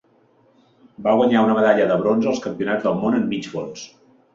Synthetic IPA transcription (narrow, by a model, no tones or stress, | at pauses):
baɣwəɲaunəβəðaʎəðəβɾonzəlˠskəmpiunad͡zðəlˠmonəmːid͡ʒβons